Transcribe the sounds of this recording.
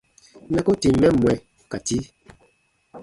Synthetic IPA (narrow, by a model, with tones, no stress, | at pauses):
nɛ˦ko˦ti˨mɛ˦˨mwɛ˨ | ka˨ti˦